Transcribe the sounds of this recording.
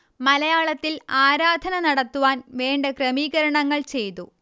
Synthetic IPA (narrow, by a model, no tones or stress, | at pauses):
mɐlɐjaːɭɐt̪ːilaːɾaːd̪ʱɐnɐnɐɽɐt̪ːuʋaːnʋeːɳɖɐkrɐmiːɣɐɾɐɳɐŋːɐɭt͡ɕe̞jt̪u